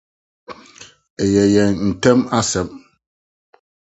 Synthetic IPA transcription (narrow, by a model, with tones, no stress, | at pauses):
e˨jɛ˨jɛ˨nn̩˨tɛ˦ma˦sɛ˨m̚